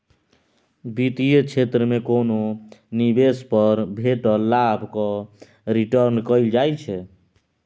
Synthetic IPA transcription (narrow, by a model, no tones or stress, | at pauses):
bit̪ijət͡ʃʰet̪ɾəmekononibespəɾbʱeʈɔlabʱkɔ | ɾiʈəɾnkəjld͡ʒajt͡ʃʰɛ